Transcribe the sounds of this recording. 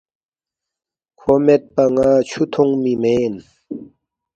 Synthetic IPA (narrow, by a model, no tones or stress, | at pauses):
kʰomet̪̚pɐŋaːt͡ɕʰut̪ʰuŋmimeːn